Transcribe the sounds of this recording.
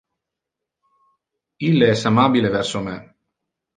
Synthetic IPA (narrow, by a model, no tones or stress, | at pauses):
ilːeɛsamabilevɛrsome